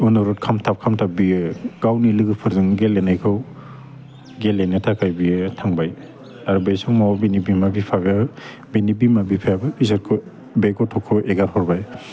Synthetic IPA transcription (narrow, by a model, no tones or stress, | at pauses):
ɔnɔɾɔt̚kʰamtʰap̚kʰamtʰabiɯɡ̥awnilɯɡɯpʰɯɾzɯŋɡelenajkʰɯw | ɡelenɯtʰakajbijɯtʰaŋbaj | aɾbejsɔŋmawabinibimabipʰaɡa | binibimabipʰaabɯpisaɾkʰɔ | bejkɔtʰɔkʰɔʔeɡaɾhɔɾbaj